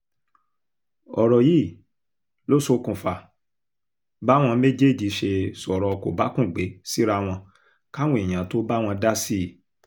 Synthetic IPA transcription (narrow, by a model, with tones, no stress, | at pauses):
ɔ˨ɾɔ˨ji˦˨ | lo˦so˧˦kũ˨fa˨ | ba˦w̃ɔ̃˧me˦d͡ʒe˦˨d͡ʒi˧˦ʃe˧sɔ˨ɾɔ˨˧ko̰˨ba˨˦kũ˦˨ɡ͡be˨˦si˦ɾa˧w̃ɔ̃˧ | ka˦w̃ũ˦e˨j̃ã˨˦to˦ba˦w̃ɔ̃˧da˦si˦˨